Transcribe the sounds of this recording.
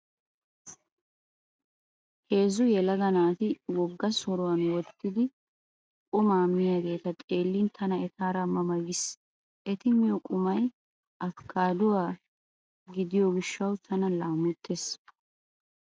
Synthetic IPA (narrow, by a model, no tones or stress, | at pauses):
he̞ːzʊjɛlɐd̪ɐnaːt̪ɪwɔɡːɐsɔɾʊwɐnwɔt̪ːɪd̪ɪ | kʼʊmaːmːɪjaːɡe̞ːt̪ɐt̪ʼe̞ːlːɪnt̪ʰɐnɐɛt̪aːɾɐmɐmɐɡɪs | ʔɛt̪ɪmɪjɔkʼʊmɐj | ʔɐfkʰːaːd̪ʊwaː | ɡɪd̪ɪjɔɡɪʃːɐwt̪ʰɐnɐlaːmʊt̪ːeːs